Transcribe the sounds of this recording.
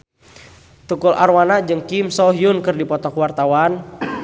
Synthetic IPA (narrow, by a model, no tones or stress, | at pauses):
t̪ukʊlʔa̰rwanad͡ʒɨŋkimsɔɦjunkɨrdipɔt̪ɔkuwart̪awan